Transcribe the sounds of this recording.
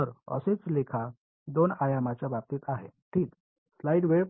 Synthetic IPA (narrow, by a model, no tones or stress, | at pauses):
t̪əɾə̰set͡slekʰa | d̪onajamat͡ɕjabap̚t̪iːt̪aɦḛʈʰiːk | slaiɖʋe